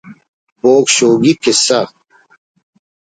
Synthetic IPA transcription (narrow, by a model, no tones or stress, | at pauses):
boːkɕoːɡikesɐ